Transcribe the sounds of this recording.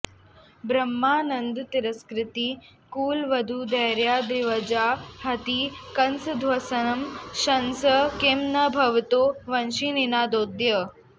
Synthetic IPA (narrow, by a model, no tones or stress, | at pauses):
bɾɐmːaːnɐnd̪t̪iɾəskɾɪt̪iː | kuːlʋɐd̪ʱud̪ɐɦɾjaːd̪ɾiʋɐd͡ʒaːɦɐt̪ikɐnsd̪ʱʋɐsɐnɐmʃɐnsəkeːmnɐbʱɐʋt̪oːʋɐnʃininaːd̪oːd̪jə